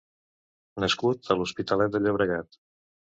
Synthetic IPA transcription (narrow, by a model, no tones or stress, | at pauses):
nəskut̪̚əluspit̪əlɛt̪̚d̪əʎəβ̞ɾəɣat̪